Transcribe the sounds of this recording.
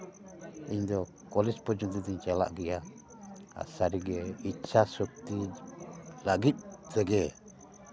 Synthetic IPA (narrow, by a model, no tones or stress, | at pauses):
iɲd̪ɔ | kɔlispɔd͡ʒunt̪it̪iɲt͡ʃɛla̰ʔɡia | a̰saɾiɡɛit͡ʃʰasɔk̚t̪i | laɡic̪̚t̪ɛɡɛ